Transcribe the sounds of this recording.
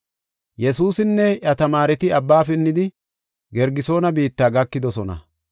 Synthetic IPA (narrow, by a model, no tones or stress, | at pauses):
jɛsuːsɪnːɛʔɐt̪ɐmaːɾɛt̪ɪɐbːaːfɪnːɪd̪ɪ | ɡɛɾɡɪso̞ːnɐbiːt̪ːaːɡɐkːɪd̪ɔsɔnɐ̰